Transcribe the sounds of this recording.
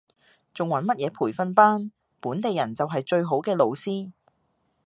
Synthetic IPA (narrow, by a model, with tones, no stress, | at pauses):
t͡sʊ˨ŋwɐ˨˥nmɐ˥t̚jɛː˨˧pʰuː˨˩jfɐ˧npaː˥n | puː˨˥nt̪e˨jɐ˨˩nt͡sɐ˨wɦɐ˨jt͡ʃɵ˧ɥɦo˨˥wkɛː˧lo˨˧wsiː˥